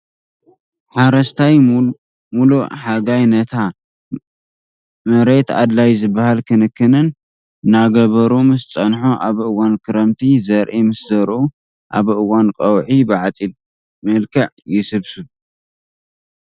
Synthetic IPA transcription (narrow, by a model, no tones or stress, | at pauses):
ħaɾɐst̪ʰaj | mulṵħaɡajnɐt̪ʰa | mɐɾet̪a̰d̪lajzɨbahalkʰɨnɨkːɨnɨn | ɨnaɡɐβɐɾumɨst͡sʼɐnħoʔaβʔɨwankʰɨɾɐmt̪ʰizɐɾʔimɨsd̪ɐɾʔu | ʔa̰βʔɨwankʼɐwʕibɨʕat͡sʼil | mɨlkʰɐʕ | jɪsɨβsɨβ